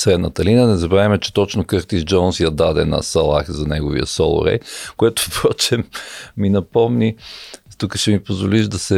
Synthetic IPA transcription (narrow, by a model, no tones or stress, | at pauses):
sɾɛd̪nət̪əlinənɛzɐbɾavʲimɛt͡ʃɛ̥t̪ɔt͡ʃnokɤɾt̪izd͡ʒɔnsjɐd̪ad̪ɛnɐ̰sɐlˠa̰xzɐnɛɡovḭə̰sɔlˠʊ̰ɾɛ̰jkoɛt̪o̥pɾɔt͡ʃɛmːinɐpɔmnʲit̪ukəʃɛmipozvoliʒd̪ɐsɛ